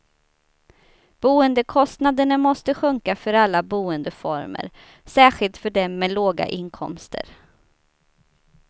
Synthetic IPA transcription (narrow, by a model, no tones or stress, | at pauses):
b̥uːənd̪əkʰɔst̪nad̪əɳamɔst̪əɧɵŋkafœɾalːabuːənd̪əfɔ̰ɾmə̰ɾ | sæːɧɪlt̪fœɖɛmːɛloːɡa̰ʔɪnkʰɔ̰mst̪ə̰ɾ